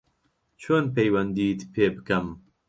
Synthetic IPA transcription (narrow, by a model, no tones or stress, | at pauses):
t͡ʃʰoːnpɛjwɐnd̪iːt̪pʰeːbkɐm